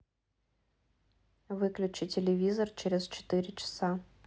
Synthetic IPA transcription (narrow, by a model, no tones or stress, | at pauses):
ʋɪklʲʊt͡ʃɪtʲelʲeʋʲizɔrt͡ʃɛɾezt͡ʃɔ̥t̪ɪɾʲɪt͡ʃɐ̥sɑ